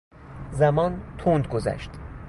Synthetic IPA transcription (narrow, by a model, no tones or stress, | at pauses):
zæmɒːnt̪ʰond̪ɡozæ̰ʃt̪